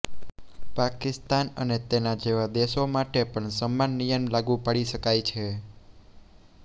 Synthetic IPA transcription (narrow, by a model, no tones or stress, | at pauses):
pakɪst̪anənet̪enad͡ʒeʋad̪eʃomaʈepəɳsəmːanːijəmlaɡũpaɽiʃəkajt͡ʃʰe